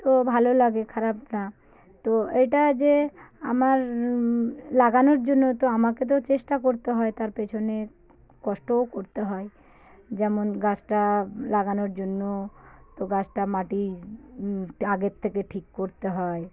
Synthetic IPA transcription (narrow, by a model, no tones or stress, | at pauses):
t̪obʱalolaɡekʰaɾabna | t̪oejʈad͡ʑeamaɾ | laɡanoɾd͡ʑonːot̪oamaket̪̬ot͡ɕeʃʈakoɾt̪eɦɔet̪aɾpet͡ɕʰone | kɔʃʈookoɾt̪eɦɔe | d͡ʑɛmonɡat͡ɕʈalaɡanoɾd͡ʑonːot̪oɡat͡ɕʈamaʈi | aɡet̪ʰːekeʈʰikːoɾt̪eɦɔe